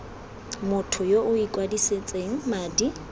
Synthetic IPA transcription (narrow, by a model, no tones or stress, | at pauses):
mʊtʰʊjoʔʊikʼwadiset͡sʼeŋ̩maːdi